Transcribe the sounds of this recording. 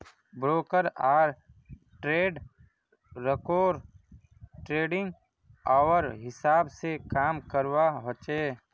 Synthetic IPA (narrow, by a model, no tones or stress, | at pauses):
bɾoːkəɾaːɾ | ʈɾeːɖː | ekoːɾ | ʈɾeːɖɪ̃ŋɡ | aːʋəɾɦɪsaːbsekaːmkəɾwaɦot͡ʃeː